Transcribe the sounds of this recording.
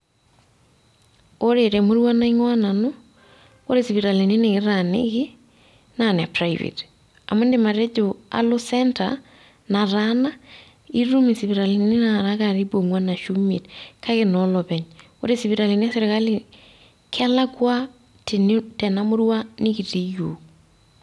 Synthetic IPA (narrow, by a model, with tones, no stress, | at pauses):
o˦ɾeɾɛ˨mo˦ɾwa˦na˦i˦ŋwa˦na˨no˦ | o˦ɾe˨si˨βi˨ɾa˨li˨ni˦ne˨ɣɪ˦ɾa˨nḛ˦ɣɪ˦ | na˨n˨a˨praivḛ˨t | a̰˨mo˦nde˨ma˨ɾɛ˦d͡ʒo˨a̰˨lo˦sɛ˦nta̰ | na˨ɾana˦ | i˦ɾu˦mi˨siβi˨ɾa˨li˨ne˦na˨ɾaɣa˨ɾi˦bo˨ŋwa˦na˨ʃu˦mḛ˨tkʰa˦ɣe˦nɔ˨lɔ˨βɛɲ | o̰˦ɾe˦si˨βi˨ɾa˨li˨ne˦a˦se˦ɾe˨ɣa˦li | kʰa˦la˦kwa˦ | tʰe˨ntɛ˨na˦mo˦ɾwa˦ne˦ki˨ti˦jo